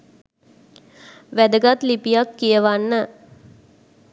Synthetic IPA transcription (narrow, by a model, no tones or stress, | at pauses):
ʋæd̪əɡat̪lipijakːijəʋanːə